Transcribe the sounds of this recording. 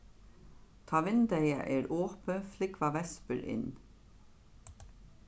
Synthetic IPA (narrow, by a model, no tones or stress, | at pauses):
t̪ʰɑːʋɪnd̪æɪɑ̰ʔeːɾʔoːpəflɪkʋɑʋɛspəlʔɪ̰n